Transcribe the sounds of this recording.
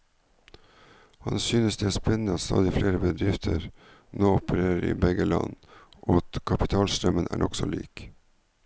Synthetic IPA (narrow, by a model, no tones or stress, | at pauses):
hɑnsyːnəsd̪eːæːspɛnnəɑt̪st̪ɑ̰ːd̪ɪfleːɾəbəd̪ɾɪft̪ʰəɾ | noːʊpəɾeːɾəɾḭːbɛɡəlɑ̰nʔoːɑt̪kʰɑpɪt̪ʰɑːlst̪ɾœmənʔæ̰ːɳʔɔksɔlḭːk